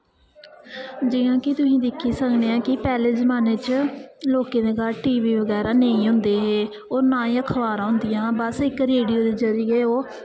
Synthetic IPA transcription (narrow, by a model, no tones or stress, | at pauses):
d͡ʒɪːãːkɪt̪ʊsĩːd̪ɪkʰːiːsəkʰneːãːkɪpɛːleːzəmaːneːt͡ʃloːkeːd̪eːɡaːɾʈiːʋiːʋəɡɛːɾaːnəĩːɦʊ̃nd̪eːɦeː | oːɾnãːĩːəkʰəʋaːɾãːɦʊ̃nd̪ɪjãːbəsɪkɾeːɖijoːd̪eːzəɾɪjeːoː